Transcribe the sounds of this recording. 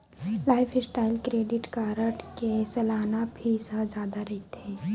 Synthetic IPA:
laːɪpʰɪsʈaːɪlkɾeːɖɪʈkaːɾəʈkesɛlaːnabʱisəd͡ʒaːd̪aɾɛɦt̪ẽː

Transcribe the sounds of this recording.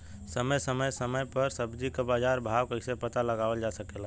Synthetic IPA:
səməjsəməjsəməjpəɾsəbd͡ʒikbad͡ʒaɾbʱawkəsepət̪aləɡabəld͡ʒasəkel

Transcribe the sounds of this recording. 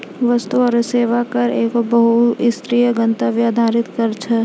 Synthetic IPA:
ʋɐst̪uɔɾseːʋakɐɾeːkobɐɦuɪst̪ɾijəɡɐ̃nt̪aʋjad̪ʱaːɾɪt̪kɐɾt͡ʃʰɛ

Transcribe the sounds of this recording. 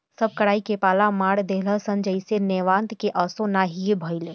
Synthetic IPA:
səb̚kəɽaːikepaːlamaːɽd̪eɦləsə̃nd͡ʒəisenɛːʋãːnt̪keʔəsõnaɦiebʱəile

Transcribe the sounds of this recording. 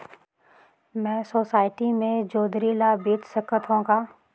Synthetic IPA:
mɛ̃ːsoːsaːɪʈimẽd͡ʒoːd̪ɾiːlabeːt̪səkət̪ɦõkaː

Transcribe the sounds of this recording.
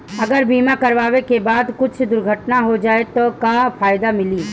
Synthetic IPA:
ɐɡəɾbiːmakɐɾʋaːʋekebaːd̪kʊt͡ʃʰd̪ʊɾɡʱəʈnaɦod͡ʒaːet̪okapʰaːjd̪amɪliː

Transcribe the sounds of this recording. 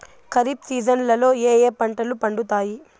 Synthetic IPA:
kɐɾipsiːd͡ʒɐnlɐlo̞ːeːjeːpɐɳʈɐlupɐɳɖut̪aːji

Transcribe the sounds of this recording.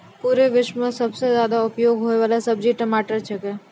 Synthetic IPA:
puːɾeʋɪʃmə̃sɐbsezjaːd̪aʊpjoːɡɦoːjʋaːlasəbd͡ʒiʈəmaːʈəɾt͡ʃʰekeː

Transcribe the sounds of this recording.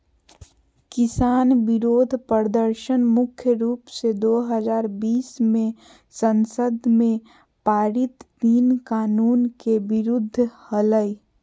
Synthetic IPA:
kɪsaːnbɪɾoːd̪ʱpɾəd̪əɾʃənmʊkʰjəɾuːpsed̪oːɦəzaːɾbiːsmẽ | sənsəd̪ʱmẽ | paːɾɪt̪t̪iːnkaːnuːnkebɪɾʊd̪ʱːhələi

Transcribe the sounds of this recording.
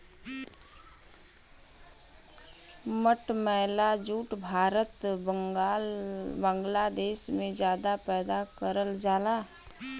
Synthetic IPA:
məʈmɛːlad͡ʒuːʈbʱaːɾət̪bəŋɡaːlbãːŋɡlad̪eːʃmẽd͡ʒjaːd̪apɛːd̪akəɾəld͡ʒaːlaː

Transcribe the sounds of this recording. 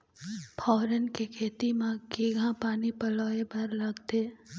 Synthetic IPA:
pʰɔːɾənkekʰeːt̪imãkiɡʱãpaːnipɐloːebɐɾlɐɡt̪eː

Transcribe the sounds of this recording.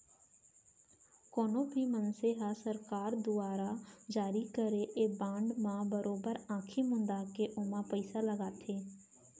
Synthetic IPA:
koːnõːbʱiːmənseːɦaːsəɾkaːɾd̪ʊaːɾaːd͡ʒaːɾiːkəɾeːʔeːbãːɳɖmãːbəɾoːbəɾãːkʰiːmʊ̃nd̪aːkeːʔʊmãːpəɪsaːləɡaːt̪ʰeː

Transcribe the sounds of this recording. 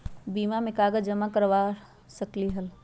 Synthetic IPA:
bimamekaɡəd͡ʒd͡ʒəmakəɾʋa | səkliɦəl

